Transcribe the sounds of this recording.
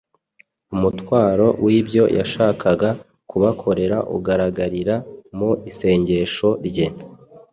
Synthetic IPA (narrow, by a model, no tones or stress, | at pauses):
umutwaːɾo̞wʔibɟo̞jʔa̰ʃaːkʰaɡa | kuβakʰo̞ɾe̞ɾaʔṵɡaɾaɡaɾiɾamuise̞ːɲɟe̞ʃo̞ɾɟe̞